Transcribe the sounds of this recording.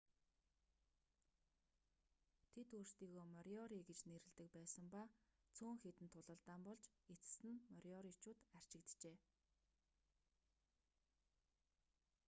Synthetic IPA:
t̪ʰet̪uːrst̪iːɣoːmœɾʲɔɾiɡet͡ɕneɾɘ̆ɮt̪ɘ̆k̚pæːsə̆mpat͡sʰuːŋxet̪ɘ̆nt̪ʰʊɮə̆ɮt̪aːmpɔɮt͡ɕ | et͡sɘ̥̆sɘ̆nmœɾjɔɾit͡ɕʊːt̪ær̥t͡ɕɪ̆kt̪t͡ɕeː

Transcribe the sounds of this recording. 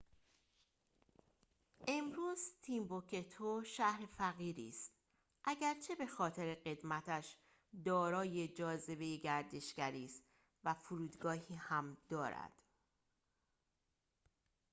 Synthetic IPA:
ʔe̞mɾuːzt̪ʰiːmbokʰet̪ʰoʃæhɾe̞fæɣiːɾḭːst̪ | ʔæɟæɾt͡ʃʰe̞be̞xɒːt̪ʰe̞ɾe̞ɢe̞d̪mæt̪ʰæʃ | d̪ɒːɾɒːjed͡ʒɒːze̞be̞jeɟæɾd̪e̞ʃɡæɾiːst̪ | væfuɾuːd̪ɡɒːɦiːhæmd̪̥ɒːɾæ̰d̪̥

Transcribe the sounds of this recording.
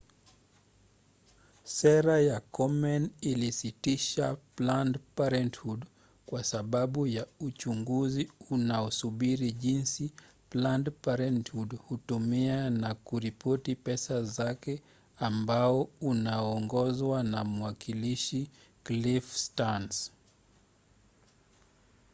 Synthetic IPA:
sɛɾajakɔmɛnilisitiʃaplandpaɾɛnthud | kwasaɓaɓujaut͡ʃuŋɡuziunaɔsuɓiɾiʄinsi | plandpaɾɛnthudhutumianakuɾipɔtipɛsazakɛ | ambaɔunaɔŋɡɔzwanamuwakiliʃi | klifstans

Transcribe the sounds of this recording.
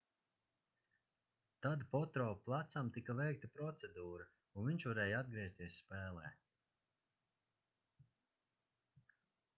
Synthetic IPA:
t̪ad̪pɔt̪ɾɔːplˠat̪samt̪ikavɛjk̚t̪ɐpɾɔt̪sed̪uːɾɐ | unviɲʲt͡ʃvaɾɛːjad̪ɡɾiɛst̪iɛsspɛːlˠɛː

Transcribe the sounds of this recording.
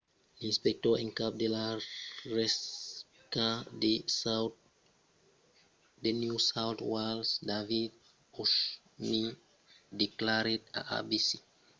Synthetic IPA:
lĩnspɛk̚tɔĩnkap̚delaɹɛs | kade | denjusawtwalsdavid | uʃ | mi | diklaɹeda̰ʔa̰bisi

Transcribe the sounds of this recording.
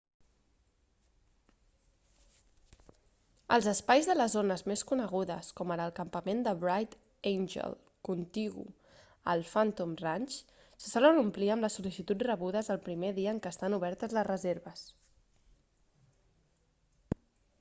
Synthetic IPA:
ə̰lˠzəspajzðələzonəzmeskunəɣuðə̰skɔməɾəlˠkəmpəmend̪əβɾajt̪ | ejnʲʒə̰l | kunt̪iɣṵ | əlˠfant̪umrant͡ʃ | sə̥sɔlənumpliəmləsːulisit̪utrəβuðəzəlˠpɾimeðiəːŋkəːst̪anuβ̞ɛɾt̪əzləzrəzeɾβəs

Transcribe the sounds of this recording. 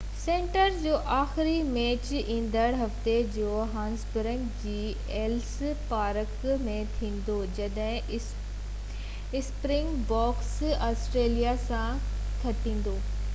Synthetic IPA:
sẽːɳʈəɾd͡ʑoːʔaːxɪɾimeːt͡ɕĩːnd̪əɽɦɐft̪ed͡ʑoːɦãːnsbɪɾə̃ŋkd͡ʑiː | eːlspaːɾəkmẽt̪ʰĩːn̆d̪oːd͡ʑɐɗɦɪ̃ | ɪspɾɪ̃ŋɡbɔːksaːsʈɾeːlijasã | t̪ʰɐʈĩːn̆d̪oː

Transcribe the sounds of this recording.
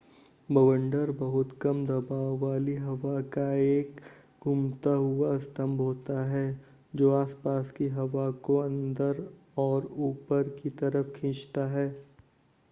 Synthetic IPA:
bɐʋə̃ɳɖəɾbɐɦʊt̪kɐmd̪ɐbaːʋːaːliɦɐʋakaeːk | ɡʱʊmt̪aɦʊaɐst̪əmbʱɦoːt̪aɦɛː | d͡ʒoːaːspaːskiɦɐʋakoɐ̃nd̪əɾ | ɔːɾuːpəɾkit̪ɐɾəfkʰɪ̃ːt͡ʃt̪aɦɛː

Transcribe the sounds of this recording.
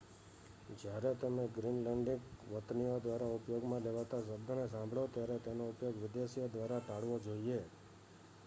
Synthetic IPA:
d͡ʒjaɾet̪əmeɡɾinləɳɖikʋət̪nijod̪ʋaɾaʊpjoɡmãleʋat̪asəbd̪ʱənesãmbʱɭot̪jaɾet̪enoʊpjoɡʋɪd̪jasijod̪ʋaɾat̪aɽʋod͡ʒoie

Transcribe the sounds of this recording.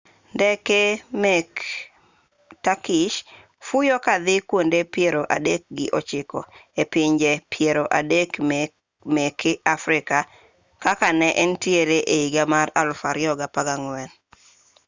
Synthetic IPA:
ndɛkemɛk | takɪʃ | fujɔkad̪ɪkwondepjeɾoʔa̰dek̚ɡɪʔɔt͡ʃɪkɔepɪɲd͡ʒepʰjeɾoʔadek | mɛkɪafɾɪka | kakanɛʔɛntjeɾeʔeiɡamaralfaɾɪɔɡapaɡaŋwɛn

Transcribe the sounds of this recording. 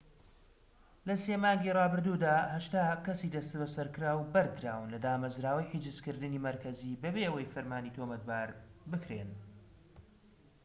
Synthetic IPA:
lɐseːmaːŋɡiːrˤɑːbɨɾd̪uːd̪aːhɐʃt̪akɐsiːd̪ɐst̪bɐsɐɾkɨɾaːwbɐɾd̪ɾaːwɨnlɐd̪aːmɐzɾaːwɐjħid͡ʒɨzkɨɾd̪ɨniːmɐɾkʰɐziːbɐbeʔəwɐjfɨɾmaːnit̪ʰomɐt̪̚baːɾbɨkɾḛn

